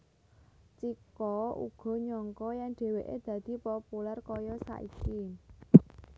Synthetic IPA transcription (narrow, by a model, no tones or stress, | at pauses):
t͡ʃikɔṵɡ̥ɔ̤ɲɔŋkɔjaŋɖ̥e̤weʔed̪̥ä̤d̪̥i̤pɔpularkɔjɔsa̰ʔḭki